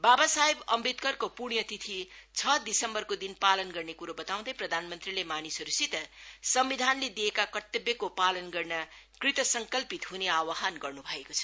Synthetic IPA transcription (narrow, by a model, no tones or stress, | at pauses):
babasaɦebʌmrit̪kʌrkopuɽ̃jʌt̪it̪ʰit͡sʰʌd̪isʌmbʌrkod̪inpalʌnɡʌrnekuɾobʌt̪aw̃d̪ʌjprʌd̪ʱanmʌnt̪rilemanisʌɾusit̪ʌsʌmbid̪ʱanled̪ijekakʌt̪ːʌbjʌkopalʌnɡʌrna | krit̪ʌsʌŋkʌlpit̪ɦuneawaɦanɡʌrnubʱʌekot͡sʰʌ̥